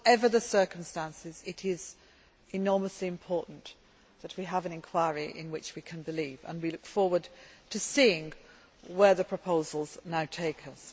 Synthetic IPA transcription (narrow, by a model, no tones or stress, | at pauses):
ɛvə˞ðəsɜˑ˞kə̃m̩stæ̃nsɪzɪɾɪz | ɪnɔɹməsliɨ̃mpʰɔɹˑʔn̩ | ðət̚wiəvɨ̃nɨ̃nkʰw̥aɪəɹiʔɪ̰̃nwɪt͡ʃwikʰɨ̃nbɨliːvə̰̃nwilʊkfɔɹwə˞d̚tʰɨsiɪ̃ŋ | wə˞ðɨpʰɹ̥əpʰoʊzl̩ˠznaʊtʰeɪkʰʌs